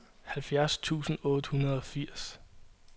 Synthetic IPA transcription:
hælfjæɐst͡sʰṵːsn̩ɔ̽ːd̥əhunɐð̞ˠɒ̽fiɐ̰s

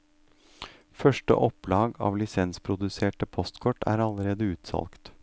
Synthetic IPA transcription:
fœʂʈə̰ʔɔplɑːɡɑ̰ːʋlɪsɛnspʰɾʊd̪ʉseːʈəpʰɔst̪kʰɔʈːæ̰ːɾɑləɾeːd̪əʉːt̪sɑ̰lkt̪

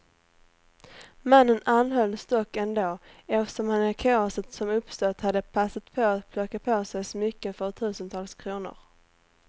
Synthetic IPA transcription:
manːənanɦœlːst̪ɔkːɛnd̪oːɛfə̥ʂɔmhanækʰɑːɔsət̪sɔmɵpst̪ɔt̪had̪ːəpʰasat̪pʰɔat̪pʰlɔkːapʰoːsɛjsɔmʏkːəfœɾt̪ʰʉ̟ːsənt̪ʰɑːlskʰɾuːnʊ̰ɾ

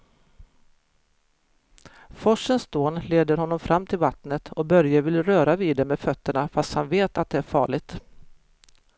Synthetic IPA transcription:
fɔʂːənsd̪oːnleːd̪əɾɦɔnːɔmfɾʔamːt̪ʰɪlvat̪nət̪ʰɔbœɾjavɪlɾœːɾaviːd̪ɛmɛfœt̪ːəɳafast̪hanveːt̪at̪̚d̪ɛæɾfɑ̰ːɭɪɡ̚t̪

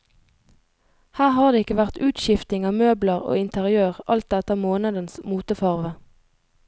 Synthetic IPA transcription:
hæːʁhɑːʁd̪eːɪkəʋæʁt̪ʉːt̪ʃɪft̪ɪŋɑːmøːbləʁo̰ːɪnt̪ʰəʁɪøːʁʔɑ̰lt̪̚d̪ɛt̪əɑːmoːnəd̪ənsmuːt̪əfɑʁʋə

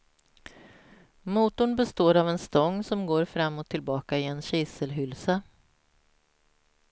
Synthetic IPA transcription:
muːt̪ʊɳbɛst̪oːɾavɛnst̪ɔŋːsɔmɡoːɾfɾamːot̪ʰːɪlbɑːkaɪɛnɕɪsəlɦʏlsa

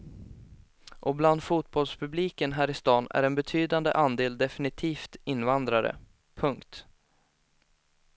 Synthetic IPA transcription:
ʔɔbland̪fuːt̪̚bɔlspʰɵbliːkənɦæːɾɪst̪ɑːnæ̰ɾɛnbɛt̪ʰyːd̪and̪ə̰ʔand̪eːld̪ɛfɪnɪt̪ʰiːft̪ɪnːvand̪ɾaɾə̰ | pʰɵŋkt̪

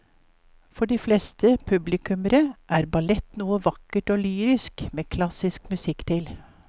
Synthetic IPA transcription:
fɔɖiːflɛst̪ʰəpʰʉblɪkʉməɾəʔæːɾbɑlɛt̪nuːəʋɑkəʈoːlyːɾɪskmeːkʰlɑsɪskmʉsɪkːt̪ʰɪl

